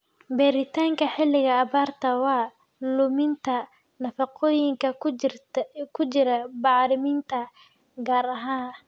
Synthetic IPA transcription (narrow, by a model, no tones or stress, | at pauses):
bɛɾɪt̪ʰaːŋkʰɐħɪlːɪɣɐːβaːrt̪ʰɐwɑː | lʊmɪnt̪ʰɐ | nɐfɑqʰɔːjɪŋkʰɐ | kʰʊt͡ʃɪɾɐbɑʕɾɪmint̪ʰɐ | ɡaːɾɐɦaːn